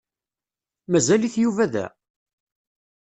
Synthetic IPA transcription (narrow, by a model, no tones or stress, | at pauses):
mæzæliθjuvæðæ̰